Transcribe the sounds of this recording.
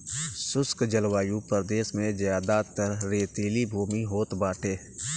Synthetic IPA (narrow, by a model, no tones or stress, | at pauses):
sʊskd͡ʒəlwaːjupəɾd̪eːsmẽzjaːd̪at̪əɾɾeːt̪eːlibʱuːmiɦoːt̪baːʈʰeː